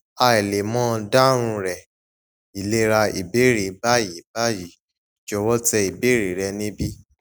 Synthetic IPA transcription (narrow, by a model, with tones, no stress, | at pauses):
a˧ɛ˨le˨mɔ̃ː˦˧da˦ɾ̃ũ˧ɾɛ˨ | i˨le˦ɾa˧ḭ˨be˨˦ɾe˨ba˦ji˨˦ba˦ji˨˦˨ | d͡ʒɔ˧wɔ˦tɛ˧i˨be˨˦ɾe˨ɾɛ˧nĩ˦bi˦